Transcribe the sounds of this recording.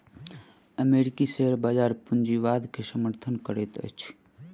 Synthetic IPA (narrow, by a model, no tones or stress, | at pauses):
əmeɾikiseɦəɾbaːd͡ʒaːɾpund͡ʒiʋad̪kʰesəməɾt̪ʰənkəɾet̪ə̰t͡ʃʰ